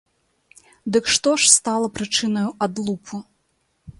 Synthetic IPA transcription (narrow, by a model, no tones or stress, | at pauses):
d̪ɨkʂt̪ɔʂst̪alˠɐpɾɨt͡ʂɨnɐjuʔad̪lˠupʰu